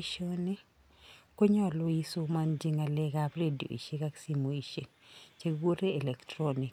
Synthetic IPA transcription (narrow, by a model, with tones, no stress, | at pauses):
ʃo˦ne˦ | ko˦ɲɔ˦˨lo˦i˦so˦ma˦nd͡ʒi˦ŋa˨lɛ˦ɡapɾe˦di˨o̰˨ḭ˨ʃe˦ka˦ksi˦mo˨i˨ʃe˨t͡ʃe˦wo˦ɾe˦ɛ˨lɛ˨ktɾoni˨k